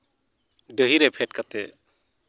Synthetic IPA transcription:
ɖəɦiɾepʰeʈ̚kət̪ḛ

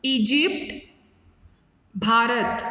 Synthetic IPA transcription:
id͡ʒip̚ʈ | bʱaːɾət̪

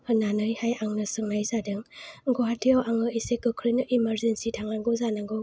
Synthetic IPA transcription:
hɯnːanɯjhajaŋnɯsɯŋnajsadɯŋɡoɦatʰiawaŋɯisekɯkʰɾinɯʔimeɾzensitʰaŋaŋɡɔzanaŋɡɯ

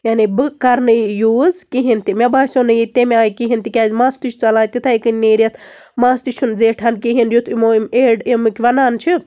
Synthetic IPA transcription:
janibɨkɐɾnɨjuːzkiɦint̪imebaːsonɨjit̪emʲeaːjkiɦint̪ikʲaːzʲmaːst̪it͡ʃʰt͡sɐlãːt̪it̪ʰajkɨnʲːeːɾɐt̪ʰmaːst̪it͡ʃʰunzeːʈʰɐnkiɦinjut̪ʰimoimeɖimɨkʲʋɐnaːnt͡ʃʰi

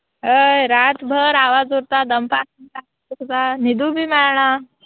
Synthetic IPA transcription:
ɦəjɾat̪bʱəɾaʋad͡zoɾt̪ad̪əmpaska | ukt̪anid̪ubʱimɛɭɳ̃a

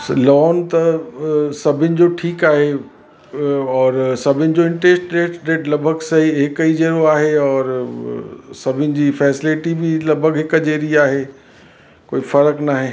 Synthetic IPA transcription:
lɔːnt̪ɐ | sɐbʱɪnɪ̆d͡ʑoʈʰiːkaːɦe | ɔːɾsɐbʱɪnɪ̆d͡ʑoːɪ̃ɳʈɾeːsʈɖeːsʈɖeːʈlɐbʱəɡsɐɦiɦɪkəid͡ʑeːɾoaːɦeɔːɾ | sɐbʱɪnɪ̆d͡ʑiːfɛːsɪlɪʈibʱɪlɐbʱəɡɦɪkd͡ʑeːɾiaːɦeː | koːifɐɾəknaːɦeː

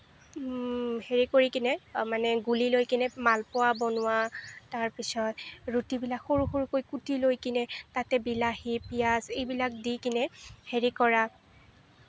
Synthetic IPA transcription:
heɹikoɹikinɛmanɛɡulilojkinɛmalpʊwabɔnʊwataɹpisɔtɹutibilakxoɹuxoɹukojkutilojkinɛtatɛbilahipijasejbilak̚dikinɛheɹikɔɹa

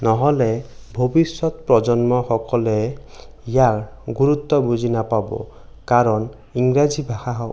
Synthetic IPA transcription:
nɔɦɔlɛbʱobisːɔt̪̚pɹɔd͡ʒɔnmɔxɔkɔlɛ | ijaɹɡuɹut̪ːɔbuzʱinapabɔ̰ | kaɹɔn | iŋɡɹazʱibʱaxaɦɔ

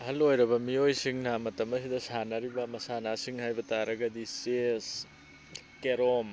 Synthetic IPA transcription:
ɐɦɐlojɾɐbɐmijojsiŋnamɐtɐmɐsidɐsanɐɾibɐmɐsanasiŋhajbɐtaɾɐɡɐdises | keɾom

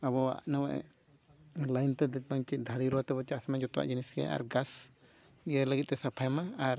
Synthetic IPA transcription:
abɔa̰ʔnawɛʔɛ̰ | lajnt̪ɛd̪ɛt̚baŋt͡ʃid̪ʱaɽiɾɔwat̪ɛbɔt͡ʃaʔsamad͡ʒɔt̪ɔʔa̰ʔd͡ʒinisɡɛ̰a̰ɾɡas | jəɾləɡit̪̚t̪ɛsapʰajmaːɾ

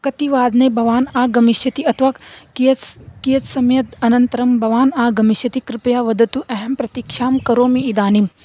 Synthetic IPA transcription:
kɐt̪iʋaːd̪nɐjbʱɐʋaːnaːɡɐmiʃjɐt̪iɐt̪ʰʋakikijɐt̪sɐmjɐt̪ɐnɐnt̪ɐɾɐmbʱɐʋaːnaːɡɐmiʃjɐt̪ikɾɪpɐjaːʋɐd̪ɐt̪uʔɐɦɛmpɾɐt̪ikʃaːmkɐɾoːmiːd̪aːnim

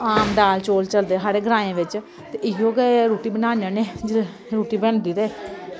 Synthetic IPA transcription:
aːmɖaːlt͡ʃoːlt͡ʃəld̪eːsaːɾeːɡəɾãːẽːʋɪt͡ʃ | t̪eːʔɪjoːɡɛːɾuːʈiːbənãːnaːneːd͡ʒɪ | ɾuːʈiːbɛɳd̪iːɾɛː

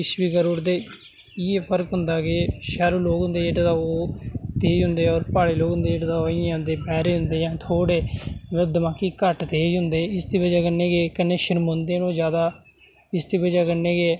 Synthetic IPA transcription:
ɪsʋiːkəɾuːɾd̪eː | ɪeːpʰəɾkɦʊnd̪aːɡeːʃaːɾuːloːkɦʊ̃nd̪eːd͡ʒeːʈaːt̪aːoːt̪eːd͡ʒɦʊ̃nd̪eːɔːɾpaːɽeːloːɡɦʊ̃nd̪eːd͡ʒeːɽːt̪aːoɪjãːɦʊ̃nd̪eːpɛːɾeːɦʊ̃nd̪eːjãːt̪ʰoːɽeːmd̪əmãːkiːkəʈt̪eːd͡ʒɦʊnd̪eːɪst̪iːbəd͡ʒaːkənːeːɡeːkəneːʃəɾmõːnd̪eːnõːd͡ʒjaːd̪aː | ɪst̪ʰiːbəd͡ʒaːkənːeːɡeː

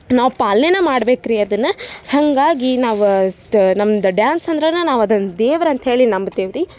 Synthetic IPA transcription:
naːʋpaːlnenɐmaːɽbeːkɾiɐd̪ɐnːɐhɐŋɡaːɡinaːʋu | nɐmːɐd̪ɐɖjaːnsɐnd̪ɾenɐnaːʋɐd̪ɐnd̪eːʋɾɐnt̪ɦeːɭinɐmbd̪eːʋɾi

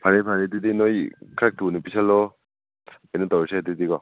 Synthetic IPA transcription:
pʰaɾepʰaɾedidinɔjkʰɾak̚tʰunipisalːɔ | enɯtawesedidiɡɔ

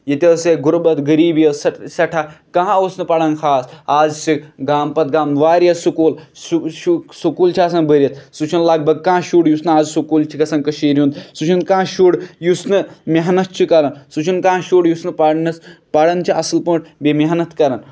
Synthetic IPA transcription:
jit̪ʲɐseɡuɾbɐt̪ɡəɾiːbjɐssɐʈʰakɐɦãosnɨpɐɽɐnkʰaːsaːzsikɡaːmpɐt̪ɡaːmʋaːɾjɐsukuːlsuʃusukuːlt͡ʃʰiaːs̬ɐnbəɾʲjɐt̪̚ʰsut͡ʃʰunlɐɡ̚bɐɡ̚kãːʃuːɽjusnɨaːzsukuːlt͡ʃʰikɐsɐnkəʃiːɾjund̪sut͡ʃʰunkãːʃuːɽjusnɨmʲɐɦnɐt̪̚t͡ʃʰikɐɾɐnsut͡ʃʰunkãːãʃuːɽjusnɨpɐɽnɐspɐɽɐnt͡ʃʰiʔɐslpə̃ːʈ̚bemʲɐɦnɐt̪kɐɾɐn

